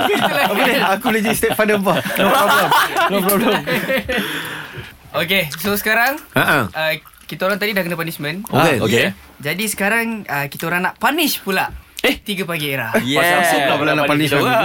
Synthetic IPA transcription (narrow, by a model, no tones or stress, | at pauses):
əleakublad͡ʒadist̪ɛtfandəmpanɔpɾɔblɛmnɔpɾɔblɛm | okesosə̥kaɾaŋãʔaə | kit̪aoɾaŋt̪̬adidahkənəpanismə̃nokeoke | d͡ʒadisə̥kaɾaŋəkit̪aoɾaŋnaʔpanɪspulaʔet̪iɡəpaɡieɾa̰hjaauapulanapanisa